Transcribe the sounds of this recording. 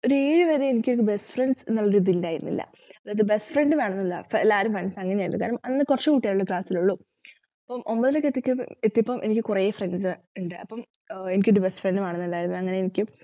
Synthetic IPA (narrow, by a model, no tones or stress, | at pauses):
oɾeːɻɨʋeːðeenikʲːoɾukːɨbesɨ̥frenɖsenːuɭːɐɾud̪ilːaːjiɾunːḭlːɐ̰ | ɐðaːjɐðɨbe̞sfreɳɖɨʋe̞ːɳɐnːilːɐfelːaːɾumfreɳsɐŋːɐneaːjn̰ːkːaːɾumɐnnːɨkurɐt͡ɕːekuːʈːijaːjuɭːɐkɭaːsiluɭːu | ɐpːɐmʔombɐðilokːet̪ːikʲːumet̪ːiɐpːɐmʔenikʲːɨkurejefrenɖsɨ | uɳɖɨɐpːɐm | enikʲːoɾubesfreɳɖɨʋeːɳɐnːuilːaːjiɾunːuɐŋːɐne̞enikʲːɨ